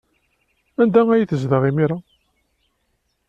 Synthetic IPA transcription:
ænd̪æŋæjiθəzðəʁimiɾa

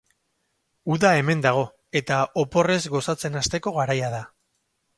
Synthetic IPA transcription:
uðae̞me̞nd̪aɣ̞o̞ | e̞t̪aʔopo̞re̞zɣo̞sat͡se̞nast̪e̞ko̞ɣaɾajaða

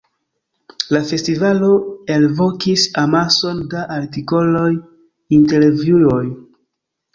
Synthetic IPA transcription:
lafe̞stivalo̞e̞lvo̞kisamaso̞ndaʔaɾtiko̞lo̞j | inte̞lvjuo̞j

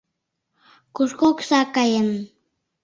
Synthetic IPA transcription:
kuskoksakajən

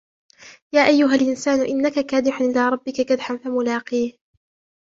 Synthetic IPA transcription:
jaːʔajːʊɦalʔɪnsaːnʊʔɪnːakakaːd̪ɪħʊnʔɪlaːɾˤɑbːɪkakad̪ħamfamʊlɑːqiːh

